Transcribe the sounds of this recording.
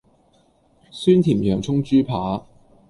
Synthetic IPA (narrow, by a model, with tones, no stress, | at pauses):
syː˥nt̪ʰiː˨˩mjœː˨˩ŋt͡sʰʊ˥ŋt͡ʃyː˥pʰaː˨˥